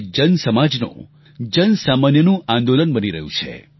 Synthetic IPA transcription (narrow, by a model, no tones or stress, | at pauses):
d͡ʒənsəmad͡ʒnõ̰ | d͡ʒənsamanjənũʔãnd̪olənbəniɾə̰ɦjṵ̃t͡ʃʰḛ